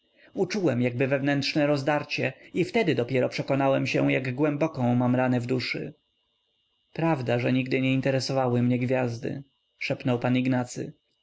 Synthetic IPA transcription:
ut͡ʂuwɛmjaɡ̚bɘvɛvnɛnt̪ʂnɛɾɔzd̪aɾt͡ɕɛift̪ɛd̪ɘd̪ɔpʲjɛɾɔpʂɛkɔnawɛmɕɛjaɡɡwɛmbɔkɔ̃w̃mamɾanɛvd̪uʂɘ | pɾavd̪aʐɛɲiɡd̪ɘɲɛint̪ɛɾɛsɔvawɘmɲɛɡvʲjazd̪ɘ̰ | ʂɛpnɔwpaniɡnat̪sɘ̰

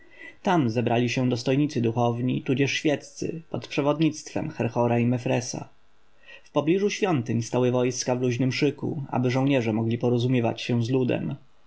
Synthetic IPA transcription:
t̪amzɛbɾʔalʲiɕɛd̪ɔst̪ɔjɲit̪sɘd̪uxɔvɲit̪ud͡ʑɛʂɕfʲjɛt̪t̪sɘ̰pɔt̪pʂɛvɔd̪ɲit̪st̪fɛ̰mxɛɾxɔɾaimɛfɾɛsa̰ | fpɔblʲiʐuɕfʲjɔnt̪ɘɲst̪awɘvɔjskavluʑnɘmʂɘkṵa̰bɘʐɔ̃w̃ɲɛʐɛmɔɡlʲipɔɾɔzumʲjɛva̰t͡ɕɕɛzlud̪ɛ̰m

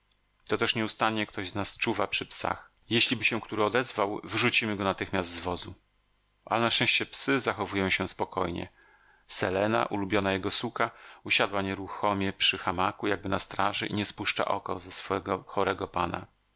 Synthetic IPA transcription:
t̪ɔt̪ɛʂɲɛust̪aɲɲɛkt̪ʰɔʑznast͡ʂuvapʂɘpsa̰x | jeɕlʲibɘɕɛ̃kt̪uɾɘɔd̪ɛzvawvɘʐut͡ɕimɘɡɔnat̪ɘxmʲjast̪zvɔzu | ʔa̰lɛnaʂt͡ʂɛ̃ɕt͡ɕɛpsɘzaxɔvujɔ̃w̃ɕɛ̃spɔkɔjɲɛ̰ | sɛlɛna̰ʔulubʲjɔnajɛɡɔsukauɕad̪waɲɛɾuxɔmʲjɛpʂɘxamakujaɡ̚bɘnast̪ɾaʐɘʔḭɲɛspuʂt͡ʂa̰ʔɔ̰kɔzɛsfɔɛɡɔxɔɾɛɡɔpana̰

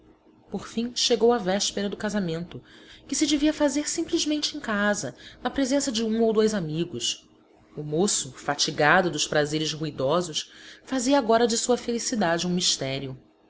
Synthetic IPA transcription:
poχfĩʃeɡowɐvɛʃpeɾɐd̪ʊkazamẽnt̪ʊkɪsɪd͡ʒɪviɐfazeɾsĩplizmẽnt͡ʃɪẽkazɐnɐpɾezẽsɐd͡ʒɪũowd̪ojzamiɡʊʃ | ʊmosʊfat͡ʃiɡad̪ʊd̪ʊʃpɾazeɾɪzhuid̪ɔzʊʃfaziɐːɡɔɾɐd͡ʒɪsuɐfelisid̪ad͡ʒɪũmiʃt̪ɛɾiʊ

